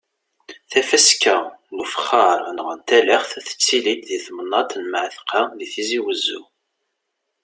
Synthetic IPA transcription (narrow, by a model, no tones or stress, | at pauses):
θæfæskælufχɑɾˤənʁənt̪ælæχθθə̥t͡sːilik̪ðiθmənːɑt̪nmʕθqɑðiθiziwəzːu